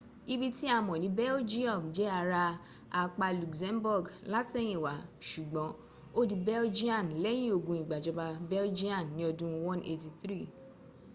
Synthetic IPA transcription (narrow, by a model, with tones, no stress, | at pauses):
i˧bi˦ti˦a˧mɔ̃˨nĩ˨˦bɛ˦o˦d͡ʒi˦ɔ˦˨bd͡ʒɛ˦a˧ɾa˧ | a˧k͡pa˧lu˨kzɛ̃˧mbɔ˦˨ɡla˦te˦j̃ĩ˨wa˨˦ʃu˨ɡ͡bɔ̃˨˦ | o˦di˨bɛ˦o˦d͡ʒi˦ã˦˨n˨lɛ˦j̃ĩ˦o˨ɡũ˨i˨ɡ͡ba˨d͡ʒɔ˧ba˧bɛ˦ld͡ʒi˦ã˦˨nnːĩ˨˦ɔ˧dũ˦wɔ̃˦ne˧ti˧θɾi˦˨